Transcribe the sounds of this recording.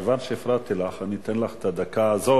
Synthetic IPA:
vanʃeːfɾat̪ilaχanit̪enlaχet̪ad̪akaːzo

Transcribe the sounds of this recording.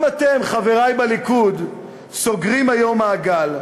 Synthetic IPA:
mat̪e̞mχave̞ʁajbalikud̪ | so̞ɡʁimajo̞maːɡal

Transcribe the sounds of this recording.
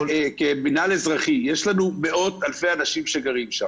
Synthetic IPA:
kebinalezʁaχije̞ʃlanume̞o̞t̪alfe̞janaʃimʃeɡaʁimʃa̰m

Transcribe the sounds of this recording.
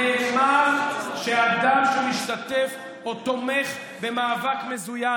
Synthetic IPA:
eχmaʃead̪amʃumiʃt̪at̪ef | ot̪o̞meχ | be̞maːvakmezuja

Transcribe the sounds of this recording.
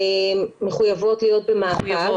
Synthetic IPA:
eːeχujavo̞tlijo̞t̚bemaːsa

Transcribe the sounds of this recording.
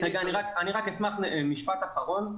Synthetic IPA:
naɡianiʁakaniʁakesmaχmiʃpat̪aχaʁo̞n

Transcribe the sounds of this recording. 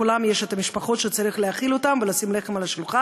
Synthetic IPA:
ulamje̞ʃet̪amiʃpaχo̞t̪ʃet͡saʁiχleaχilot̪amve̞lasimle̞χemalaʃluχa

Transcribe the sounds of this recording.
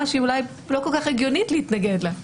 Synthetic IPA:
aʃiːulaj | lo̞kolkaχeɡjonitleit̪naɡedla

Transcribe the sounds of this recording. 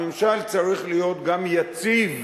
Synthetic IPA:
emʃalt͡saʁiχlijo̞t̪ɡamjat͡siv

